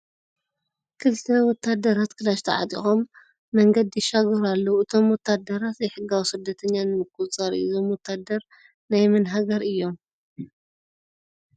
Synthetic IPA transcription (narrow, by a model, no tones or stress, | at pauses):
kʰɨlt̪ʰɐwɔt̪ʰːad̪ɐɾat̪kʰɨlaʃt̪ʰɐ̰ʕa̰t̪ʼḭxomː | ɐŋɡɐd̪ːiʃaɡɐɾalːɐuɨt̪ʰo̞mwɔt̪ʰːad̪ɐɾat̪zejħɨɡːawisɨd̪ːɐt̪ʰɐɲːanɨmɨk̚ʼːut͡sʼɐɾizo̞mwɔt̪ʰːad̪ɐɾ | najmɨnɦaɡɐɾɨjːo̞m